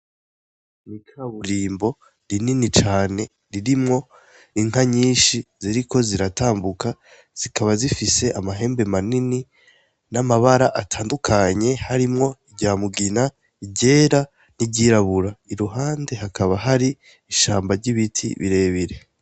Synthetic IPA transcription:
nikʰaβuɾiːmbo̞ | ɾininit͡ʃaːne̞ | ɾiɾimŋo̞ | iŋ̥aɲiːʃiziɾikʰo̞ziɾataːmbuka | z̥ikʰaβazifise̞ʔamaɦe̞ːmbe̞manini | namaβaɾaʔatʰaːndukʰaɲe̞haɾimŋo̞iɟaːmuɡina | iɟe̞ːɾa | niɟiɾaβuɾaiɾuɦaːnde̞hakʰaβaɦaɾi | iʃaːmbaɾɟiβitʰḭβḭɾe̞ːβiɾe̞

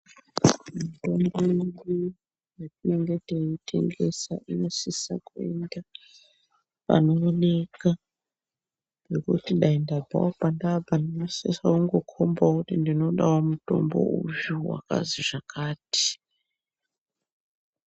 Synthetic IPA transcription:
muto̞mboili | jatine̞ŋɡe̞teitʰe̞̰ŋɡe̞sa̰ʔino̞sesa̰kuḛnda | pa̰no̞ːne̞ka | ɡekutiɗaindabʱa̰wopandapandinosesakuŋɡo̞kʰo̞mbakutindino̞ɗawomuto̞̰mbo̞̰ṵjuwa̰ka̰ziʐakʰaːti̥

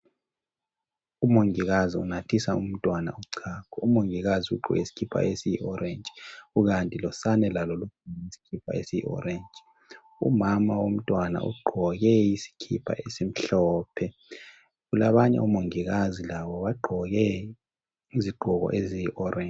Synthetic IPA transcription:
umoŋiɣaziunatʰisaum̩tʼwana̰uǀʰakʰɔumoŋiɣaziṵǃʱṵɣḛisi̥kʰipʰa̰esijḭʔɔɾʔend͡ʒʼiɣuɣantʼilɔsanɛlalolukʰuisi̥kʰipʰa̰esijḭʔɔ̰ɾend͡ʒʱʼi | ṵmamawom̩tʼwana̰ʔṵɡ͡ǃʱɔɣɛisi̥kʰḭpʰa̰ʔesim̩ɬɔːpʰɛ | ɣulaβaɲɛ̰umoŋiɣazilaβɔβaɡ͡ǃʱɔɣɛ | iziɡ͡ǃʱɔɣɔ̰ʔezijiʔɔrʔe

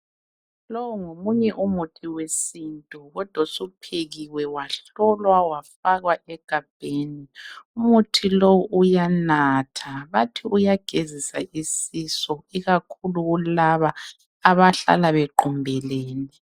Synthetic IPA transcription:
lɔwuŋomuɲɛʔumutʰiwesintʼuɣɔd̥ʱwasupʰeɣiwɛwaɬɔlwawafaɣwaɛɡ̥ʱab̥̚ʱeːniumutʰilowuujanatʰaβatʰiujaɡ̥ʱezisaisisɔiɣakʰuluɣulaβaː | βaɬa̰laβɛǃɔmbʱɛleːni

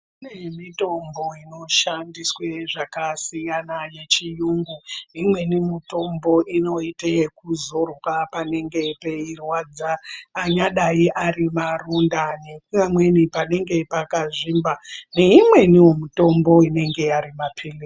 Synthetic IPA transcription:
inemito̞mbo̞ino̞ʃandiswe̞ʐakasijanaje̞t͡ʃijuŋɡuimwe̞nimito̞mbo̞ʔino̞itekuzo̞rkapane̞ŋɡe̞pe̞irwad͡zaːɲaɗaiʔarimarundanekamwe̞nipane̞ŋɡe̞pakaʐimbane̞imwe̞niwomuto̞mbo̞ine̞ŋɡe̞aɾimapʰile

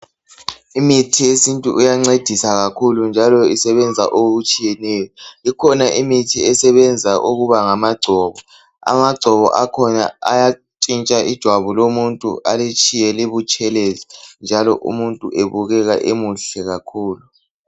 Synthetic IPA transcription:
imitʰijesintʼuʔujaŋ͡ǀed̥ʱisaɣakʰulund͡ʒʱalɔisɛβɛnd͡zʱa̰ʔoɣut͡ʃʼijɛnɛjɔikʰɔnaʔimitʰiɛsɛβɛnd͡zʱaʔuɣuβaŋamaɡ͡ǀʱɔːβɔ | a̰maɡ͡ǀʱɔβɔ̰ʔakʰɔna̰aja | t͡ʃʼint͡ʃʼaʔid̥ʒ̥ʱwaβulomuntʼṵalet͡ʃʼijɛleβut͡ʃʼɛlezind͡ʒʱalɔ̰ʔṵmuntʼuʔeβuɣɛɣaʔemuɬɛɣakʰuːlu

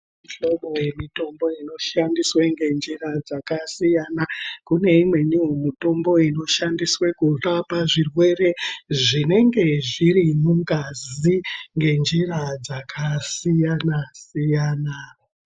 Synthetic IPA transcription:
iɬo̞ɓo̞je̞mito̞mbo̞ino̞ʃandisweŋɡe̞nd͡ʒirad͡zakasijanakune̞imwe̞nijomito̞mbo̞ino̞ʃandiswe̞kurapaʐirwe̞re̞ʐine̞ŋɡe̞ʐiɾimuŋɡaziŋɡe̞nd͡ʒiɾad͡zakʰasijanasijaːna

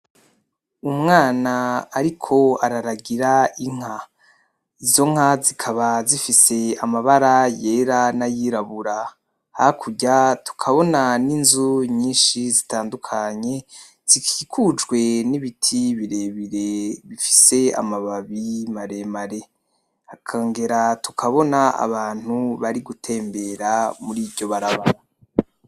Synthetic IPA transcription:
umŋaːnaaɾikʰo̞aɾaɾaɡiɾaiŋ̥a | izo̞ŋ̥ɦazikʰaβazifise̞amaβaɾaje̞ːɾanajiːɾaβuɾa | hakʰuɟatu̥kʰaβo̞naninzuɲiːnʃizitaːndukʰaɲe̞ | z̥ikʰiːkʰud͡ʒɡwe̞niβitʰiβiɾeβiɾe̞βifi̥se̞a̰maβaβimaɾe̞maɾe̞ | hakʰaːŋɡe̞ɾatu̥kʰaβo̞naa̰βaːn̥huβaɾiɡutʰe̞ːmbe̞ɾamuɾiːbɟo̞βaɾaβaɾa

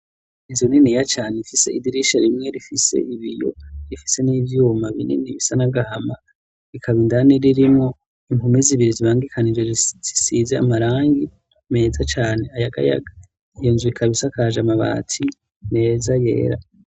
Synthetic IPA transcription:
inzunenijat͡ʃaːnefise̞̰idiɾiʃaɾimŋe̞ɾifisḛʔiβijo̞̰ɾifi̥se̞niːvjuːmaβḭnḛniβisanaɡahama | ɾikʰaβindaneɾiɾimŋo̞ | imumeziβiɾiziβaːŋɡikʰanid͡ʒeiz̥isizea̰maɾaːŋɡi | me̞ːzat͡ʃaːne̞ajaɡa̰ja̰ɡḁ | jonzuikʰaβisakʰaʒamaβa̰ːtʰi | ne̞ːzaje̞̰ːɾa̰

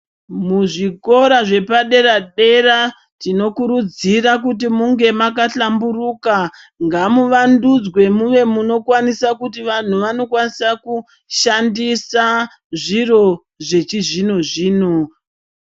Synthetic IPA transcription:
muʐiko̞ɾaʐe̞paɗe̞ɾaɗe̞ɾa | tino̞kuɾud͡zirak̬ut̬imuŋɡe̞makaɬamburuːka | ŋɡamuʋandud͡zwe̞muʋe̞muno̞kwanisakutiʋan̤uʋano̞kwanisaku | ʃandisa | ʐiro̞ | ʐe̞t͡ʃiʐinoʐiːno

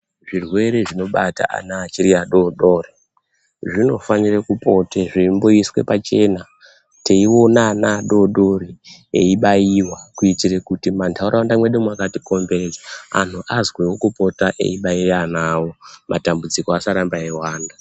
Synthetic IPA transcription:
ʐirwe̞ɾe̞ʐino̞ɓata̰ʔa̰naːt͡ʃiɾiaɗoɗo̞ːri | ʐino̞faɲirekupo̞teʐimbo̞iswe̞̰pat͡ʃe̞na | teiwo̞nanaɗo̞ɗo̞rieiɓajiwakuitirekutimantʰauɾʔawandamwe̞ɗemwakatiko̞mbered͡zaa̰n̤uʔazwewokupo̞taʔe̞̰iɓairanawo̞mʔatambud͡zikoasaɾambaewaːnda

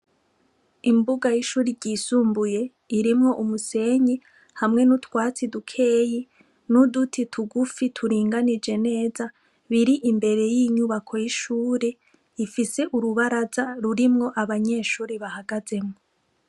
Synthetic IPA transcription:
imbuɡajiʃuːɾiɾɟiːsuːmbuje̞ | iɾimŋo̞ʔumuse̞ɲi | hamŋe̞nutwaːt͡sidukʰe̞ːji | nudutʰitʰuɡufitʰuɾiːŋɡanid͡ʒe̞ne̞ːza | βiɾiʔimbe̞ɾe̞jiɲuβakʰo̞jiʃuːɾe | ifise̞ʔuɾuβaɾazaɾuɾimŋo̞ʔaβaɲe̞ːʃuːɾiβahaɡaze̞mŋo

